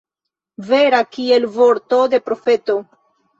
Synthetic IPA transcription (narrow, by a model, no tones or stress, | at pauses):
veɾakie̞lvoɾto̞de̞pɾo̞fe̞to̞